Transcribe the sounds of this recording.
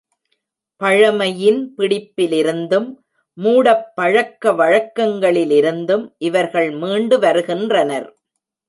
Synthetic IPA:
pɐɻɐmɐjɪnpɪɽɪpːɪlɪɾɯnd̪ɯmː | uːɽɐpːɐɻɐkːɐʋɐɻɐkːɐŋɡɐɭɪlɪɾɯnd̪ɯmʔɪʋɐɾɣɐɭmiːɳɖɯʋɐɾɯɣɪndrɐnɐɾ

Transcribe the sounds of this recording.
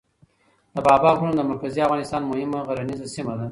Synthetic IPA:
d̪əbɑːbɑɡunad̪əmaɾkaziafɣɑnɪst̪ɑnmʊhɪmaɣaɾanizasimad̪a

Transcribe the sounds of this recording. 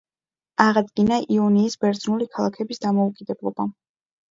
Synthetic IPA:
aʁad̪ɡinaʔiɔniːsbɛɾd̪znulikʰalˠakʰɛbisd̪amɔukʼid̪ɛblˠɔba

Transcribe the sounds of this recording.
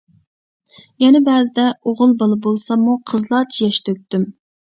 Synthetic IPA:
jɛnɛbæːzɪd̪ɛoʁʊlˠbɑlˠɨbolˠsɑmːuqʰəzlˠɑt͡ʃ̪ʰijɛʃt̪øk̚ʲt̪ːym

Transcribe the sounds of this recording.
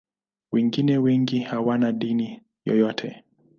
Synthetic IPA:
wɛŋɡinɛwɛŋɡihawanaɗini | jɔ̰jɔtʰɛ

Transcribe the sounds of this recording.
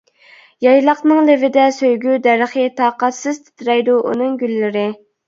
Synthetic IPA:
jɑjlˠɑqnɨŋlɪvɪd̪ɛsøjɡʲyd̪ɛɾəχət̪ʰɑːqɑt̪sɨz̥t̪ʰɪ̥t̪ʰɾɛjd̪uʔṵnɨŋɡʲylːɪɾɪ

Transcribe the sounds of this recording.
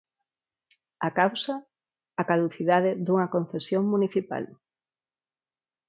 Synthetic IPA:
akawsɐː | kaðuθiðaðɪðuŋɐkon̟θesjoŋmuniθipa̰l

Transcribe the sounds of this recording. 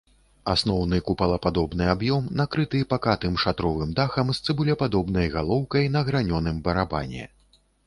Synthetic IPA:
asnɔwn̪ɨkupɐlˠɐpad̪ɔbn̪ɨabjɔmnakɾɨt̪ɨpakat̪ɨmʂat̪ɾɔvɨmd̪axɐmst̪sɨbulʲɐpad̪ɔbnɐjɣalˠɔwkɐjn̪ɐɣɾanʲɔnɨmbɐɾaba̰nʲɛ̰

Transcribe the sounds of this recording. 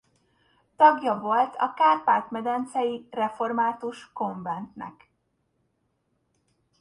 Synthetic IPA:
t̪ɒɡjɒvo̞lt̪ʰɒ̰kaːpaːt̪mɛd̪ɛnt̪sɛjirɛfo̞rmaːt̪uʃko̞ɱvɛnt̪nɛ̰k

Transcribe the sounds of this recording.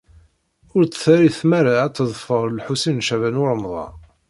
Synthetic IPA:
ʊɾt͡sːθæɾiθmæɾat͡sːəðˤfəɾˤlħusinːʃævænwʊɾˤmðˤɑ̰

